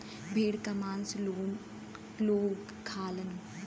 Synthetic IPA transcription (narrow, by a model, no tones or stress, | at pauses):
bʱeːɽkɐmaːnso | loːɡ | kʰːaːlən